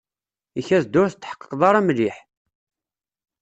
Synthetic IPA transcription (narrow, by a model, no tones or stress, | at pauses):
içæzd̪ʊɾθt̪ːħə̥qːə̥qːðˤɑɾˤæmliħ